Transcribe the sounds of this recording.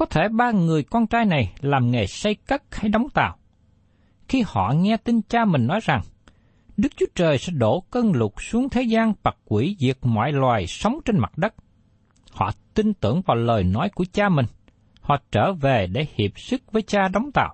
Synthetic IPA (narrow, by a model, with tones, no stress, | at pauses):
kɔ˨˦t̪ʰe˧˩ɓaː˧ŋɨ˨˩əjkɔː˧nt͡ɕaː˧jna˨˩jlaː˨˩mŋe˨˩sa˧jkə˦˥t̚ha˧jɗa˨˦wŋ͡mt̪a̰ː˧˨w | xi˧hɔ̰˧˨ŋɛ˧t̪i˧nt͡ɕaː˧mï˨˩ŋ̟nɔ˨˦jza˨˩ŋ | ɗɨ˦˥k̚t͡ɕu˦ət͡ɕəː˨˩jsɛ̰˧˥ɗo˧˩kə˧nlʊ˨˩t̚su˨˦əŋt̪ʰe˨˦zaː˧nvaː˨˩kwi˧˩zi˨˩ək̚mɔ̰ː˧˨jlwaː˨˩jsə˨˦wŋ͡mt͡ɕe˧nma˨˩t̚ɗə˦˥t̚ | hɔ̰˧˨t̪i˧nt̪ɨ̰˧˩əŋvaː˨˩wləː˨˩jnɔ˨˦jku˧˩ət͡ɕaː˧mï˨˩ŋ̟ | hɔ̰˧˨t͡ɕəː˧˩ve˨˩ɗe˧˩hi˨˩əp̚sɨ˦˥k̚vəː˨˦jt͡ɕaː˧ɗɔ˨˦wŋ͡mt̪a̰ː˧˨ʔ